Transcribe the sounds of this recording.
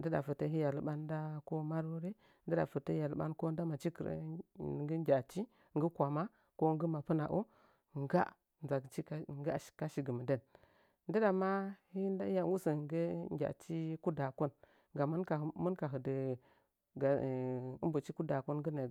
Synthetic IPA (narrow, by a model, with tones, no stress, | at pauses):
ndə˦da˨fə˨tə˦ɦi˦ja˨lɓa˦n˦da˦ko˦ma˦ɾo˦ɾe˦ | n˦də˦da̰˨fə˨tə˦ja˨lɓa̰˦nko˦n˦da˦ma˨t͡ʃi˦kə˨ɾə̰˦˨ɡə˦ɡʲa˨t͡ʃi˦ | ŋɡə˦kʷa˨ma˦ | ko˦ŋɡə˦ma˨pə˦na̰˨ʔo̰˦ | ŋ˦ɡa̰˦ | n˨za˨t͡ʃi˦ɡḁ˨ka˦ʃi˨ɡə˨mə˨də˦n | n˦də˦da˨ma˦hi˦da˦ja˨˦wu˦sə˨ŋɡə˦ŋɡʲa̰˨t͡ʃi˦ku˦da˨ko˦n | ŋɡa˨mə˦nka˨mə˦nka˨ɦə˨də˨ | ɡa˨ə˦mbu˨t͡ʃi˦ku˦da˨ko˦nɡə˦ne˨